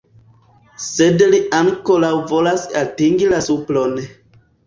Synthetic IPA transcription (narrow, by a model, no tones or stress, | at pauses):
sedliaŋkolawvo̞lasatiŋɡilasuplon